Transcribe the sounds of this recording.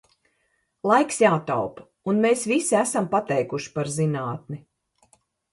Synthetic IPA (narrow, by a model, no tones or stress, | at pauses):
lˠajksjaːt̪a̰wp | unmeːsvisiæsampat̪ɛjkuʃi̥paɾzinaːt̪̚ni